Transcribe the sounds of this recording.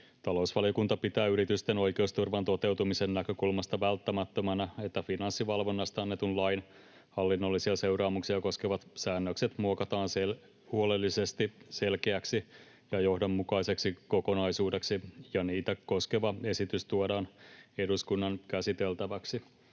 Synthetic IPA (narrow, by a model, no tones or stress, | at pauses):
t̪ɑlo̞usʋɑlijokunt̪ɑpit̪æːyɾit̪yst̪eno̞jke̞ust̪urʋɑnt̪o̞t̪e̞wt̪umisenːnækøkulmɑst̪ɑʋælt̪ːæmæt̪ːømænæet̪ːæfinɑnsːiʋɑlʋo̞nːɑst̪ɑɑnːet̪unlɑjn | hɑlːinːolːisiɑse̞wɾɑːmuksiɑko̞skeʋɑt̪sæːnːøkset̪muokɑt̪ɑːnsel | huolelːise̞st̪iselkeæksi | jɑjo̞hdomːukɑise̞ksikoko̞nɑisuːdeksijɑniːt̪æko̞skeʋɑe̞sit̪yst̪uodɑːne̞duskunːɑnkæsit̪elt̪æʋæksi